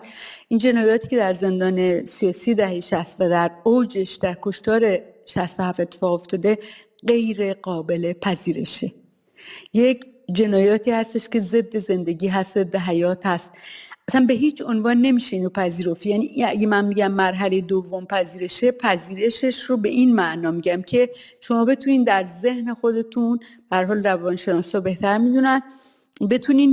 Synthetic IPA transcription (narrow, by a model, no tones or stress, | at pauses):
ʔind͡ʒe̞nɒːjɒːt̪ʰi̥ːcʰe̞d̪æɾze̞nd̪ɒːne̞sijɒːsiːd̪æhejeʃæst̪væd̪æɾowd͡ʒe̞ʃd̪̥æɾkʰo̞ʃt̪ɒːɾe̞ʃæst̪o̞hæfe̞t̪ʰːe̥fɒːɣo̞ft̪ʰɒːd̪e̞ | ɢe̞jɾe̞ɢɒːbe̞le̞pʰæziːɾe̞ʃe | je̞cd͡ʒe̞nɒːjɒːt̪ʰiːhæst̪e̞ʃce̞ze̞d̪ːe̞ze̞nd̪e̞ɟiːɦæst̪ze̞d̪ːeɦæjɒːt̪hæst̪ʔæsænbe̞ɦiːt͡ʃʰo̞nvɒːnːe̞miːʃe̞iːnopʰæziːɾo̞fijæniʔæɟemænmiɟæmːæɾɦæle̞jed̪ovːo̞mpʰæziːɾe̞ʃe̞pʰæziːɾe̞ʃe̞ʃɾo̞be̞ʔinmæʔnɒːmiɟæmcʰe̞ʃo̞mɒːbe̞t̪ʰuniːnd̪æɾze̞hne̞xo̞d̪e̞t̪ʰunb̥æhæɾɦɒːlrævɒnʃe̞nɒːsɒːbe̞ht̪æɾmid̪unæn | be̞t̪ʰuniːn